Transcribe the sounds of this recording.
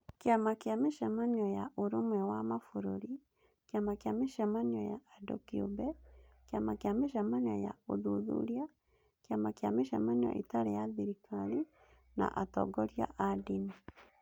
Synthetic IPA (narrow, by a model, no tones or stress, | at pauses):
keamakeameʃɛmaɲɔjaʔoɾomwɛwamafoɾoɾi | keamakeameʃɛmanjɔjaːdɔ̰kio̰bɛkeamakeameʃɛmaɲɔ̰jaoðoðṵɾja | keamakeameʃɛmanɔ̰ʔitaɾejaðiɾitali | na̰ʔatɔ̰ɡɔɾja̰ʔadini